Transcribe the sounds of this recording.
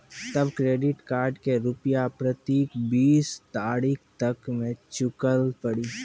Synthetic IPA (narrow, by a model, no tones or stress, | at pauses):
t̪ɐbkɾeːɖɪʈkaːɾɖkeɾʊpjapɾɐt̪iːkbiːst̪aːɾiːkʰt̪ɐkmẽt͡ʃʊkəlpɐɽiː